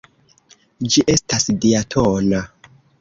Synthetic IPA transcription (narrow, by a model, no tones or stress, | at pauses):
d͡ʒiʔe̞stasdiatʰona